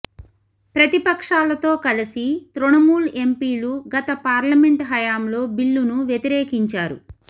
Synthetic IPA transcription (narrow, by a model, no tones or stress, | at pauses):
pɾɐt̪ipɐkʂaːlɐt̪o̞ːkɐlisit̪ɾuɳɐmuːle̞mpiːluɡɐt̪ɐpaːɾlɐme̞ɳʈɦɐjaːmlo̞ːbilːunuʋjɐt̪iɾeːkiɲt͡ʃaːɾṵ